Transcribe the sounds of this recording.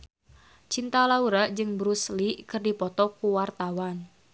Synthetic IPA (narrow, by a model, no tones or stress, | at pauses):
t͡ʃint̪alauɾaʔd͡ʒɨŋbɾuslikɨrdipɔt̪ɔkuwart̪awan